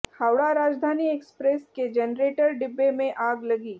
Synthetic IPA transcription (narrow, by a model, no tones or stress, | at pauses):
haːwɽaɾaːd͡ʒd̪ʱaːniekspɾesked͡ʒɛnɾeːʈəɾɖɪbːemẽʔaːɡlɐɡiː